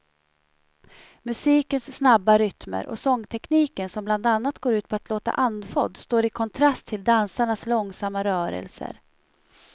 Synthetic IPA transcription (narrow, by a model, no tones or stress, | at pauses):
mɵsiːkənsːnabːaɾʏt̪mə̰ɾʔɔ̰sɔŋːt̪ʰɛkniːkənsɔmbland̪anːat̪ɡoːɾʉ̟ːt̪̚pʰɔat̪loːt̪a̰ʔand̪fɔ̰d̪st̪oːɾɪkʰɔnt̪ʰɾast̪ʰːɪld̪ansaɳaslɔŋsamːaɾœːɾə̰lsə̰ɾ